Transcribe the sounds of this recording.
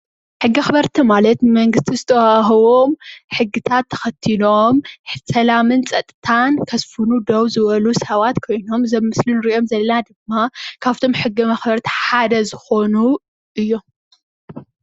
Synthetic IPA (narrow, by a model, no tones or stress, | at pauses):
ħɨɡːiɐxbɐɾt̪ʰimalɐt̪mɐŋɡɨst̪ʰizɨt̪ʰɐwaɦɐwomħɨɡːɨt̪ʰat̪ʰːɐ̥xɐt̪ʰːinomħsɐlamɨnt͡sʼɐt̪ʼːɨt̪ʰankʰɐsfɨnud̪owzɨβɐlusɐβat̪kʰo̞jno̞mzɐmːɨslinɨɾiiʔo̞mzɐlːɐnad̪ɨmːakʰaft̪ʰo̞mħɨɡːɨmɐxbɐɾt̪ʰi̥ħad̪ɐzɨxo̞nu | ʔɨjːo̞